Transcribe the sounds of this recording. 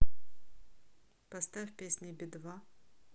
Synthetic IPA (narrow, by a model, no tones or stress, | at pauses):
pɐst̪afʲpʲesʲnʲɪbʲɪd̪va